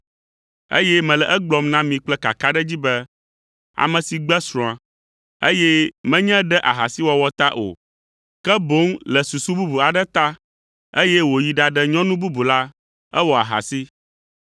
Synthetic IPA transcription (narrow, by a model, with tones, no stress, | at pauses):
ḛ˦jɛ˦mɛ̃˨lɛ˨ʔɛ˦ɡ͡blɔ˦mnã˦mĩ˨k͡plɛ˦ka̰˨ka˦ɖɛ˦d͡ʑi˦bɛ˦ | a̰˨mɛ̃˨si˨ɡ͡bɛ˦sɾɔ̃˨ã˨ | ḛ˦jɛ˦mɛ̃˦ɲɛ̃˦ɖɛ˦ʔa˨ɦa˨si˦wɔ˨wɔ˦t̪a˦ʔo̰˨ | kɛ˦bo˦ŋlɛ˨su˨su˦bu˦bu˨a˨ɖɛ˦t̪a˦ | e˦jɛ˦wo˨ji˨ɖa˨ɖɛ˦ɲɔ̃˦nũ˦bu˦bu˨la˦ | ɛ˦wɔ˨a̰˨ɦa̰˨si˦